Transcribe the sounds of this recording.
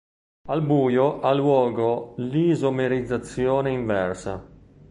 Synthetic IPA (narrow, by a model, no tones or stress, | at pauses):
albuːjoʔalwɔːɡolizomeɾid̪zːat̪sːjoːneiɱvɛrsa̰